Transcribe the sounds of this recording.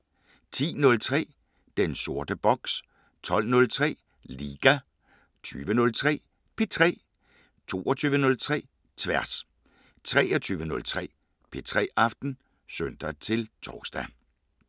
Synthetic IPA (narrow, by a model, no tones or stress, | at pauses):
t͡sʰḭːnɔ̽lt͡sʰʁɛ̰ː | d̥enso̝ɐd̥əb̥ɒ̽ɡ̥s | t͡sʰɒ̽l̰nɔ̽lt͡sʰʁɛ̰ː | liːɡ̥æ | t͡sʰy̰ːʋənɔ̽lt͡sʰʁɛ̰ː | pʰe̝t͡sʰʁɛ̰ː | t͡sʰo̝̰ːɒt͡sʰyːʋənɔ̽lt͡sʰʁɛ̰ː | t͡sʰʋæɐ̰s | t͡sʰʁɛːɒt͡sʰyːʋənɔ̽lt͡sʰʁɛ̰ː | pʰe̝t͡sʰʁɛ̰ːʔɑ̈fd̥n̩ | søn̰d̥æt͡sʰe̝lt͡sʰɒːsd̥æ